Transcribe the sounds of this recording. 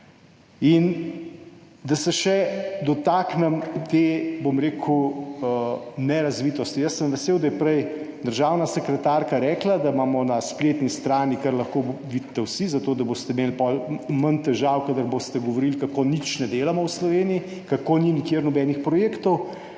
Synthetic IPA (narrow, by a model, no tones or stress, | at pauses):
in | d̪asɛʃɛd̪ɔt̪aːknɛmt̪ebomɾeːkʰu | nɛɾazʋit̪ɔst̪ijəsːəmʋɛseːwd̪ajɛpɾɛj | d̪əɾʒaːwnasɛkɾɛt̪aːɾkaɾɛːklad̪amaːmɔnaspleːt̪nist̪ɾaːnikaɾlaxkoʋit̪ːɛwsizat̪oːd̪aboːst̪ɛmeːlpɔlmənt̪ɛʒaːwkad̪əɾbost̪ɛɡɔʋoɾilkakonit͡ʃnɛd̪eːlamɔwslɔʋeːnii | kakoninikjeːɾnɔbɛnixpɾɔjeːkt̪ɔw